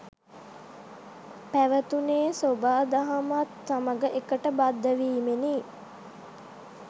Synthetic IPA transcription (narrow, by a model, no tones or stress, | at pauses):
pæʋət̪uneːsobaːd̪aɦamat̪saməɡəʔekəʈəbad̪ːəʋiːmeni